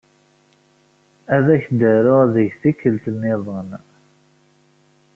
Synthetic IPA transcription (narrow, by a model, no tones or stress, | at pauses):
æðæçd̪əɾʊʁðəʝθikːəlt̪ənːɪðˤən